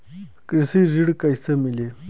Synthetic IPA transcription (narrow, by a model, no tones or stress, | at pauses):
kɾisiziɽkajsɐmili